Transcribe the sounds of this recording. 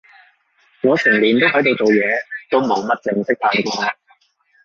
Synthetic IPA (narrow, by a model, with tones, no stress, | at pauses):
ŋɔː˨˧sʰɛ˨˩ŋliː˨˩nt̪o˥wɦɐ˨˥jt̪̬o˨wt͡ʃo˨wjɛː˨˧t̪o˥wmo˨˥wmɐ˥t̚t͡sɪ˧ŋsɪ˥k̚faː˧ŋk̪ɔ˥maː˧˥